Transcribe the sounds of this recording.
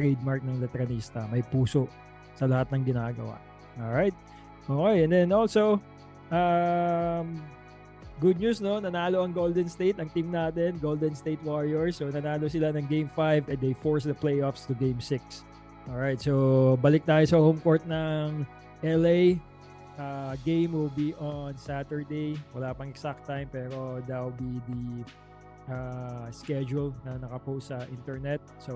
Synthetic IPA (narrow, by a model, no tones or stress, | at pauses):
t̪ɹɛd̪̚maɹk̚nɐŋlɛt̪ɛɾɐniːst̪ɐmɐjpuːso̞ʔ | sɐlɐhat̪̚nɐŋɡɪnaːɡɐ̰wa̰ʔ | ʔolɹajt̪̚ | ʔoːkejɛ̃nd̪ɛnʔolso | ʔɐ | m | ɡʊd̪̚ɲusno̞nɐnaːlo̞ʔɐŋɡold̪ɛnst̪ejt̪ɐŋt̪imnaːt̪ɛnɡold̪ɛnst̪ejt̪̚waɹiɛɹsonɐnaːlo̞sɪlanɐŋɡẽjmfajvɛnd̪ejfoɹsd̪ɐplejʔofst̪ʊɡẽjmsɪks | ʔoɹajt̪̚sobɐlɪk̚t̪aːjosɐhomkoɹt̪̚nɐŋ | ʔɛlej | ʔaɡẽjmwɪlbiʔonsat̪ɛɹd̪ejwɐlaːpɐŋɛksak̚t̪ːajmpɛːɾo̞d̪ɐwbid̪i | ʔaskɛd͡ʒulnɐnɐkɐpowsɐʔĩnt̪ɛɹnɛt̪̚so